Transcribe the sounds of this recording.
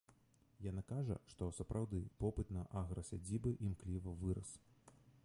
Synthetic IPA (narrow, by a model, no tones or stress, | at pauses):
janakaʐɐ̰ʂt̪ɔsɐpɾʔawd̪ɨpɔpɨt̪nɐʔaɣɾɐsʲad͡zʲibɨʔimklʲivɐvɨɾɐs